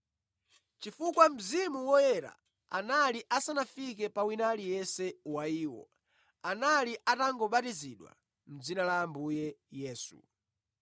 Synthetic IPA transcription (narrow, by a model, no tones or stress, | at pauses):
t͡ʃifukwam̩zimuwɔjɛɾa̰ | a̰naliʔasanafikɛpawinalijɛsɛwaiːwɔ̰ | analiʔataŋɡɔɓatiziɗwa̰ | m̩d͡zinalaːmbujɛjɛːsṵ